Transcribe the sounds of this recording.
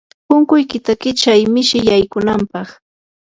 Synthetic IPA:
pʊŋkʊjkɪt̪akɪt͡ʃajmɪʃɪjajkʊnampɑχ

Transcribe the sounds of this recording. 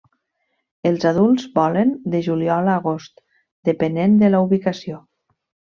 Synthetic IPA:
elˠzaðulˠzbɔlənd̪əʒuliɔlaːɣost̪ | d̪əpənend̪əlauβikasio

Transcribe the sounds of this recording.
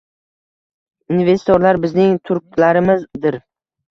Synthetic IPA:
inve̞st̪ʰoɾlaɾbɪznɪŋt̪ʰʊɾkʲlaɾɪmɪzd̪ɪɾ

